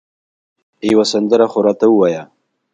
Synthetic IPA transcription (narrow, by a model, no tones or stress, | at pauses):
jwasand̪əɾaxoɾɑt̪awəwaja